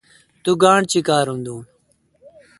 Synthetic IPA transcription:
t̪uːɡaːɳt͡ɕikaːɾɦũːnd̪ũː

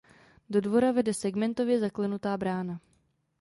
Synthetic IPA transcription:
do̞dvo̞ɾavɛdɛsɛɡmɛnt̪o̞vjɛzaklɛnut̪aːbɾaːna

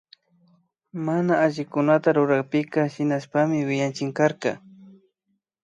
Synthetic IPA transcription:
manaːʒɪkʊnat̪aɾʊɾaχpɪkahɪnaspamɪwɪjant͡ʃɪŋkaɾqɑ̰

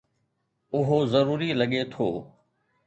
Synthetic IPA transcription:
ʊɦozɐɾuːɾilɐɠet̪ʰoː

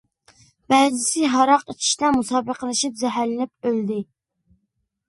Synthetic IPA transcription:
b̥æzɪsɪɦɑɾɑqit͡ʃʰi̥ʃt̪ɛmusɑːbəqəlˠɨʃip̚zɛɦæɾlɪnɪp̚øld̪ɪ

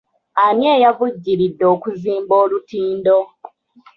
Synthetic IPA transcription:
amjeːjavuɟːiɾidːo̞ːkuziːmbo̞ːlutiːndo̞

